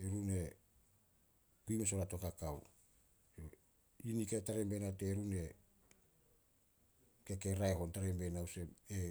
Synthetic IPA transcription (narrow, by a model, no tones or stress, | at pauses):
eɾune̞ | kujmesoɾato̞kakaw | jo | inikaetaɾembenateɾune̞ | ke̞ke̞ɾaeho̞ntaɾe̞mbenawse̞e